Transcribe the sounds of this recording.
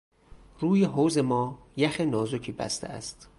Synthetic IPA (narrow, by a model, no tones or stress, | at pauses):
ruːjeɦoːzemɒː | jæxenɒːzocʰiːbæ̰st̪ʰḛæ̰st̪